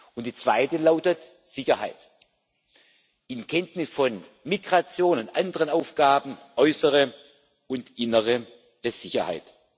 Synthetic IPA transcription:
ʊntd̥iːt͡sv̥aɪtəlaʊtət | z̥ɪçɐha̰ɪt | ʔɪnkʰɛntnɪsfɔnmiɡʁat͡sjoːnʊntʔandəʁənaʊfɡ̥aːbn̩ʔɔʏsəʁə | ʊntʔɪnəʁə | əz̥ɪçɐha̰ɪt

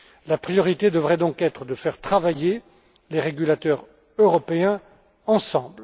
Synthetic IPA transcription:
lapχijɔʁit̪ed̪əvʁɛd̪ɔ̃kɛt̪χəd̪əfɛʁt̪χavaje | leʁeɡʲylat̪œʁ | øʁɔpeɛ̃ | ɑ̃sɑ̃bl

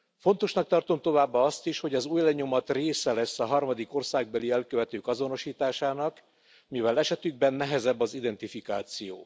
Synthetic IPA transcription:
fo̞nt̪o̞ʃnɒk̚t̪ɒrt̪o̞mt̪o̞vaːbːɒɒst̪iʃho̞ɟɒzuːjlɛɲo̞mɒt̪reːsɛlɛsːɒɦɒrmɒd̪iko̞rsaːɡ̚bɛliɛlkøvɛt̪øːkɒzo̞no̞ʃiːt̪aːʃaːnɒk | mivɛlɛʃɛt̪yɡ̚bɛnːɛɦɛzɛbːɒzid̪ɛnt̪ifikaːt̪sijo̰ː

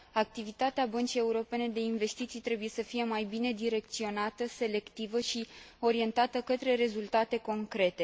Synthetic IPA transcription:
ak̚t̪ivit̪at̪eabənt͡ʃije̞uɾo̞pe̞ne̞d̪e̞inve̞st̪it̪sijt̪ɾe̞buje̞səfije̞majbine̞d̪iɾe̞k̚t̪sio̞nat̪əse̞le̞kt̪ivəʃio̞ɾie̞nt̪at̪əkət̪ɾe̞ɾe̞zult̪at̪e̞ko̞ŋkɾe̞t̪e̞

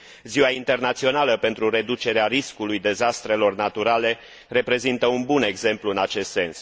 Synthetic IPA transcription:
ziwaint̪e̞rnat̪sio̞naləpe̞nt̪ɾuɾe̞d̪ut͡ʃe̞ɾeaɾiskulujd̪e̞zast̪ɾe̞lo̞rnat̪uɾale̞ | re̞pɾe̞zint̪əunbune̞ɡze̞mpluɨnat͡ʃe̞st̪se̞ns

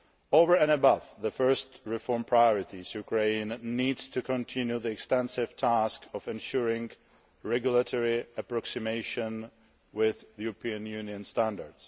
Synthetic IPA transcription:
oʊvə˞ɛ̃nəbʌvðəfɜ˞stɹɪfɔɹmpʰɹajɔɹɪtizjukʰɹẽɪ̃nːidz̥tʰɨkʰɔ̃ntʰɪ̃njuðiɛkstɛ̃nsɪv̥tʰæskɔvɛ̃nʃʊɹɪ̃ŋ | ɹɛɡjʊlˠətʰɔɹiəpɹɔksɪmeɪʃə̃n | wɪðjuɹɔpʰĩɨ̃njʉniɨ̃nstæ̃ndə̰ɹds

